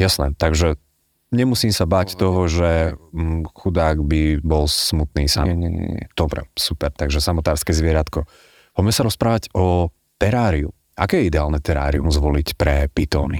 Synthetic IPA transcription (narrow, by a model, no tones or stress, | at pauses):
jasnɛt̪aɡʒɛ | ɲɛmusiːmsabact̪ɔɦɔʒɛ | xud̪aːɡbibɔlsmut̪niːsaɲɛ̰ɲɛ̰ɛ̰d̪̥ɔbɾɛ̰supɛɾt̪aɡʒɛsamɔt̪aːɾskɛːzʋɪɛɾat̪kɔ | pɔbmɛsaɾɔspɾaːʋaɟɔ | t̪ɛɾaːɾiṵ | a̰kɛːjɛid̪ɛaːlnɛt̪ɛɾa̰ːɾḭṵmzʋɔlicpɾɛpit̪ɔːnḭ